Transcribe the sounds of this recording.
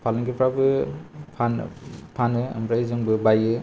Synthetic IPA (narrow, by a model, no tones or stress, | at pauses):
pʰalɯnɡepʰɾabɯpʰan̰pʰanɯɐ̰mɾajzɯŋbɯbajɯ